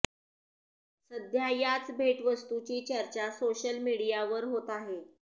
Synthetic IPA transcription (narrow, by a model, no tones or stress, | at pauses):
səd̪ʱjajat͡sbʱeʈʋəst̪ut͡ɕiːt͡ɕəɾt͡ɕasoɕəlmiɽijaʋəɾɦot̪aɦe